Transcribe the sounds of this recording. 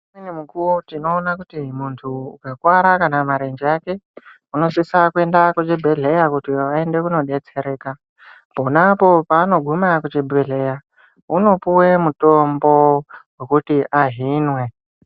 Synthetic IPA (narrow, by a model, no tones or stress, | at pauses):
minemukuwotino̞ːnakutimuntʰṵːkakwaɾakanamaɾend͡ʒiake̞ | uno̞sisakue̞ndakut͡ʃebʱeɮe̞jakutiae̞nde̞kuno̞ɗe̞t͡se̞ɾe̞ːka | po̞napo̞paːno̞ɡʱumakut͡ʃebʱeɮe̞ja | uno̞puwe̞muto̞mbo̞wekutiʔaɦinwe̞